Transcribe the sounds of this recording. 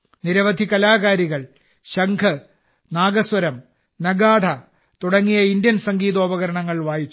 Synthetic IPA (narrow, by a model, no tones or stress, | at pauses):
niɾɐʋɐd̪ʱikɐlaːɣaːɾiɣɐɭ | ɕɐŋkʰɐ | naːɡɐsʋɐɾɐm | nɐɡaːd̪ʰʱɐ | t̪uɽɐŋːijɐindjɐnsɐŋɡiːðo̞ːbɐɣɐɾɐɳɐŋːɐɭʋaːjit͡ɕː